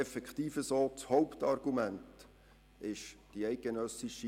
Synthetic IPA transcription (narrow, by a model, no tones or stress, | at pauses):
ɛfɛktiːfəsoːt͡shɔʊptɑrɡ̥umænt | ɪʃd̥iɛɪk̚ɡ̥enœsiʃi